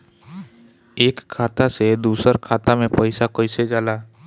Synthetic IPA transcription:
eːkʰːaːt̪ased̪uːsəɾkʰaːt̪amẽpəɪsakəɪsed͡ʒaːlaː

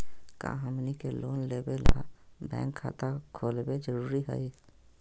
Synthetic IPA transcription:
kã̰ɦəmnikeloːnleːbelabɛ̰̃ːŋkʰːa̰ːt̪akʰoːlbed͡ʒəɾuːɾiɦə̰i

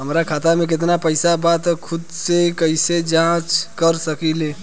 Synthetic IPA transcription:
ɦəmɾakʰaːt̪amẽk̬ɪt̪̬napəɪsabaːt̪kʰʊd̪sekəised͡ʒãːt͡ʃkəɾsəkileː

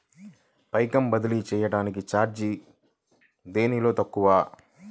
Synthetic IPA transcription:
pɐjkɐmbɐd̪ɐlit͡ʃɛːjɐɽaːnikit͡ʃaːɾd͡ʒi | d̪e̞ːnilo̞ːt̪ɐkːuʋaː

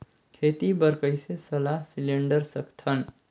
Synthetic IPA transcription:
kʰeːt̪ibəɾkəjsesəlaɦsileɳɖəɾsəkt̪ʰən

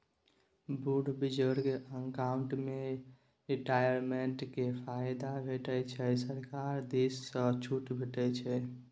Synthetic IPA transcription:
buɖʱbid͡ʒəɾkeʔəŋkauɳʈme | ɾiʈajəɾmeɳʈkepʰajd̪abʱeʈɛt͡ʃʰɛsəɾkaɾd̪esːə̃t͡ʃʰuʈbʱeʈɛt͡ʃʰɛ

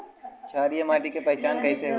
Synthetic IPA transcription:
t͡ʃʰaːɾijəmaːʈikepɐɦɪt͡ʃaːnkɐɦĩseɦ

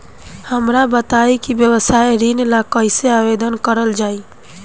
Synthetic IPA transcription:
həmɾabət̪aikibjəwəsajɾinlakəɪseabed̪ənkəɾəld͡ʒai

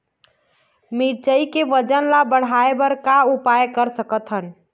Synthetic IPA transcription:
miɾt͡ʃəikeʋəd͡ʒənlabəɽ̤aebəɾkaupajkəɾsəkət̪ɦən

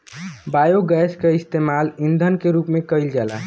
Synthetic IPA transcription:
bajoɡɛskeist̪emalind̪ʱənkeɾuːpmẽkəjld͡ʒala̰

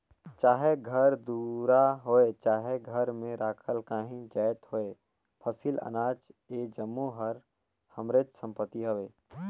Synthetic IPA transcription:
t͡ʃaːɦeɡʱəɾd̪uɾaɦoːet͡ʃaːɦeɡʱəɾmẽɾaːkʰəlkaːɦĩd͡ʒaːjt̪hoːeː | pʰəsilə̰naːt͡ʃeːd͡ʒəmːuɦəɾ | həmɾeːt͡ʃsə̃mpət̪ːiɦoʋeː

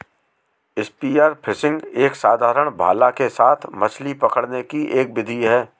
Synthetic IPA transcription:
ɪspiːaːɾpʰɪsɪ̃ŋɡeːksaːd̪ʱaːɾəɽ̃bʱa̰ːlakesaːt̪ʰmɐt͡ʃlipɐkəɽnekiʔeːk̚bɪd̪ʱiɦɛː

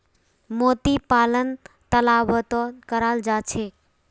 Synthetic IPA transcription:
mot̪ipalənt̪əlaʋət̪ɔkəɾald͡ʒat͡ʃʰe

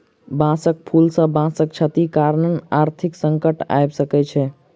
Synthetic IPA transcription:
bãsək̚pʰulsə̃bãsək̚t͡ʃʰət̪ikaɾnənaɾt̪ʰiksəŋkəʈa̰jbsəkɛt͡ʃʰɛ

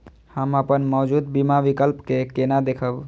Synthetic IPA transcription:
həməpənmɔːd͡ʒud̪bimaʋikəlpkekenad̪ekʰəb

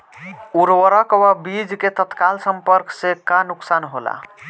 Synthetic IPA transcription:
uɾwəɾəkwabid͡ʒket̪ət̪kalsəmpəɾksekanuksanɦola̰

